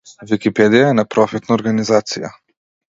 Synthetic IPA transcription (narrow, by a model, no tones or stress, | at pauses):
vikʲipɛd̪ijaɛnapɾɔfit̪naɔɾɡanizat̪sija̰